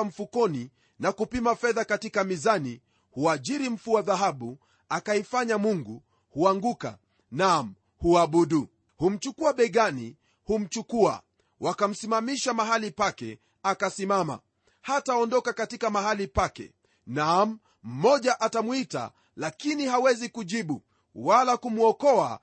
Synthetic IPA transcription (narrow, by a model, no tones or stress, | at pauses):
m̩fukɔni | nakupimafɛðakatikamizani | huaʄiɾim̩fuwaðaɦaɓu | akaifaɲamuŋɡu | huaŋɡuka̰ | nam̩ | huaɓuɗu | hum̩t͡ʃukuaɓɛɡanḭ | hum̩t͡ʃukua̰ | wʔakam̩simamiʃamaɦalipakɛ̰ | akasimama̰ | hataɔndɔkakatikamaɦalipakɛ̰ | nam̩ | m̩mɔʄaʔatamwita̰ | lakiniɦawɛzikuʄiɓu | walakumuɔkɔa̰